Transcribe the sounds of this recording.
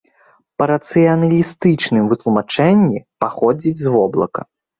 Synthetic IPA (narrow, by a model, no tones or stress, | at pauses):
pɐɾɐt̪sɨjɐnɐlʲist̪ɨt͡ʂnɨmvɨt̪lˠumat͡ʂɛnʲːipaxɔd͡zʲit͡sʲzvɔblˠɐ̰kɐ̰